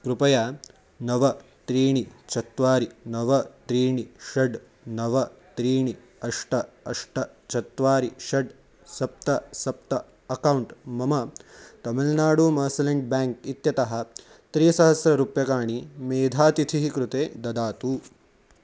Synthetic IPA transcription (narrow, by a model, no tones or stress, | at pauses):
kɾupɐjaː | nɐʋɐt̪ɾiːɳit͡ʃɐt̪ʋaːɾinɐʋɐt̪ɾiːɳiʃɐɖ | nɐʋɐt̪ɾiːɳi | ɐʂʈɐɐʂʈɐ | t͡ʃɐt̪ʋaːɾiʃɐɖ | sɐp̚t̪ɐsɐp̚t̪ɐ | ɐkɐwuɳʈmɐmɐt̪ɐmɐlnaːɽuːmɐːsɐleɳɖ̚baːŋk̚it̪jɐt̪ɐɦɐ̆ | t̪ɾiːsɐɦɐsɾɐɾupjɐkaːɳimeːd̪ʱaːt̪it̪ʰiɦikɾut̪eːd̪ɐd̪aːt̪uː